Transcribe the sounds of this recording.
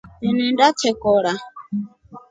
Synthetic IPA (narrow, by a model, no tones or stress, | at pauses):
ninindatʰɛkɔɺa